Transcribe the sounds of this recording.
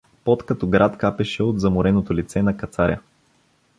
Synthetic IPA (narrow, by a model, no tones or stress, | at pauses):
pot̪kɐt̪ɔɡɾat̪kapɛʃɛod̪zɐmʊɾɛnot̪olit̪sɛnɐkɐt̪saɾʲjə̰